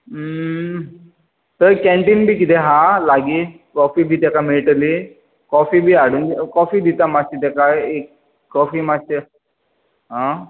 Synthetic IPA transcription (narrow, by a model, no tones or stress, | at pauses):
t̪əɾkɛ̃ɳʈiːnbʱiːkit̪ɛɦãlaɡiː | kɔfibʱiːt̪ɛkameɭʈli | kɔfiːbʱiːaɽuːnkɔfiːd̪it̪amat̪it̪ɛkaekː | ɔfiːmate | ɦã